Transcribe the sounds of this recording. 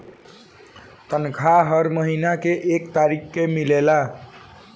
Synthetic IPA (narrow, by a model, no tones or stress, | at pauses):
t̪ənkʰaɦʌɾməɦinakeʔekt̪aɾikʰːemilela